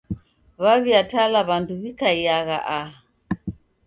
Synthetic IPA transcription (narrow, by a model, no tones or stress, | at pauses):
βaβiatalaβanduβikaiaɣa̰ʔa